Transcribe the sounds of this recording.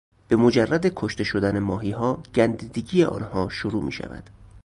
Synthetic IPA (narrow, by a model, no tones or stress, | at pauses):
b̥e̞mod͡ʒærːæd̪ekʰoʃt̪e̞ʃod̪ænemɒːɦiːɦɒːɡ̥ænd̪iːd̪eɡiːeʔɒ̰ːnhɒːʃoɾuːmḭːʃæ̰væ̰d̪̥